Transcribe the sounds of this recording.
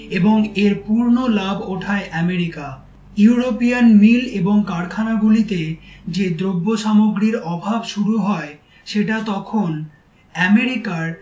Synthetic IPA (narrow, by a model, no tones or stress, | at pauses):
eboŋeɾpuɾnolabʱoʈʰaeʔɛmeɾika | juuɾopijanmileboŋkaɾkʰanaɡulit̪ed͡ʑed̪ɾobːoʃamoɡɾiɾɔbʱabʃuɾuɦɔe | ʃeʈat̪ɔkʰon | ɛmeɾikaɾ